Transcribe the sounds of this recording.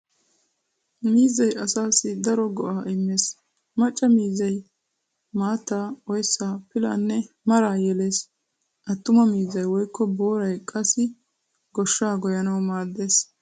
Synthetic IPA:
miːzɐjʔɐsaːsɪd̪ɐɾɔɡɔʔaːʔɪmːe̞ːs | mɐt͡ʃʼːɐmiːzɐj | maːt̪ːaːɔjsːaːpɪla̰ːnːɛ | mɐɾaːjɛle̞ːs | ʔɐt̪ːʊmɐmiːzɐjwɔjkʰːɔbo̞ːɾɐjkʼɐsɪ | ɡɔʃːaːɡɔjɐnɐwmaːd̪ːe̞ːs

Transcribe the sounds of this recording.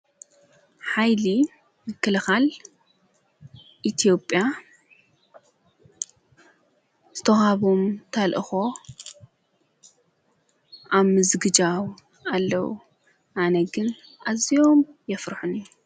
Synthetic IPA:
ħajli | mɨkʰːɐlɐxal | ʔit̪ʰijo̞pʼːja | z̥ɨt̪ʰɐxaβomt̪ʰɐlʔɨxo̞ | ʔaβmɨzɡɨd͡ʒaw | alːɐwṵ | ʔanɐɡɨnʔazio̞mjɛfɾħuniju

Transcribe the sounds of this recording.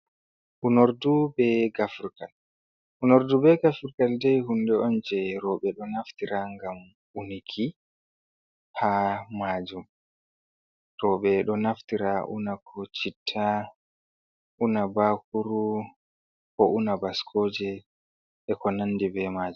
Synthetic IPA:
ʔunoɾdubɛɡafuɾkal | ʔunoɾdubɛɡafuɾkaldɛjhundɛɔnd͡ʒɛɾɔɓɛɗɔnaftiɾaŋɡam | unikʰi | hamad͡ʒum | ɾɔɓɛɗɔnaftiɾaʔṵnakʰɔt͡ʃitʰːa | ʔunabakuɾu | kɔʔunabaskʰoːd͡ʒɛ | ɛkɔnanːdibɛmaːd͡ʒum

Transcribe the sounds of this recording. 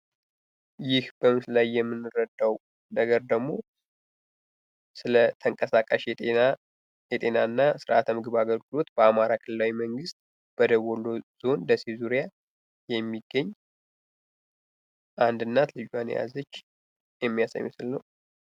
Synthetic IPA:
jɪhb̥əmɨslajːɛmːɨnːɨɾəd̪aw | nəɡəɾd̪əɡmo̞ | sɨlət̪ʰəŋkʼəsakʼaʃ | jɛt̪ʼe̞nanːasɨɾʔa̰t̪ʰmɨɡɨβaɡəlɡɨlo̞t̪b̥əamaɾakʰɨlɨlawiməŋɡɨst̪ | b̥əd̪əwɔloz̥onləsezuɾja | jɛmːiɡːəɲː | ʔand̪ɨnːat̪lɨd͡ʒan̰ja̰zət͡ʃː | jɛmːijasə̰ɲːɛsɨlːəw

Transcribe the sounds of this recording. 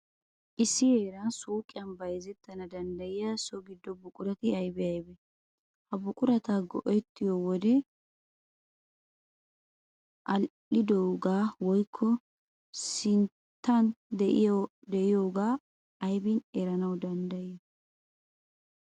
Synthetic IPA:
ʔɪsːɪheːɾɐnsuːkʼɪjɐnbɐjzɛt̪ːɐnɐd̪ɐnd̪ɐjɪjasɔɡɪd̪ːɔbʊkʼʊɾɐt̪ɪɐjbɛɐjbɛ | hɐbʊkʼʊɾɐt̪aːɡɔ̰ʔɛt̪ːɪjowɔd̪ɛ | ʔɐlʔɪd̪owɡaːwɔjkʰːɔ | sɪn | t̪ːɐnd̪ɛʔɪjo | d̪ɛʔɪjoːɡaː | ɐjbɪnɛɾɐnɐwd̪ɐnd̪ɐjj

